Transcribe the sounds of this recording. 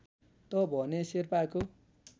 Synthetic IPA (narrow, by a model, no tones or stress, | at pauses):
t̪ʌbʱʌneserpako